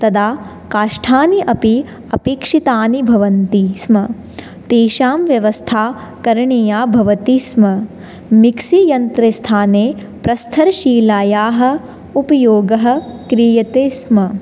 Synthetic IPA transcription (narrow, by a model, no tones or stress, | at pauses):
t̪ɐd̪aː | kaːʂʈʰaːniʔɐpi | ɐpeːkʂit̪aːnibʱɐʋɐnt̪ismɐ | t̪eːʃaːmʋjɐʋɐst̪ʰaː | kɐɾɐɳijaːbʱɐʋɐt̪ismɐ | miksijɐnt̪ɾɐst̪ʰaːneː | pɾɐst̪ʰɐɾʃiːlaːjaːɦɐ̆ | upɐjoːɡɐɦɐ̆kɾijɐt̪eːsmɐ